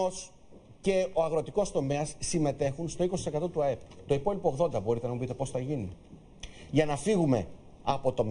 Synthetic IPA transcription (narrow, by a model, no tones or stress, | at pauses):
os | ce̞oɐɣɾo̞t̪iko̞st̪o̞me̞ɐsːime̞t̪e̞xunst̪o̞ikosi̥sekɐt̪o̞t̪uɐe̞put̪o̞ipo̞lipoɣðo̞nd̪ɐbo̞ɾit̪e̞nɐmupit̪e̞po̞sθɐʝini | ʝɐnɐfiɣume̞̰ | ɐpo̞t̪o̞m